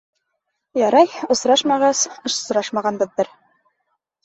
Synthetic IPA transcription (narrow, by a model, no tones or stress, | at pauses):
jɑɾɑjŏsɾɑʃmɑʁɑsɤ̆ʃ̆sɾɑʃmɑʁɑnbɤ̆ðːɤɾ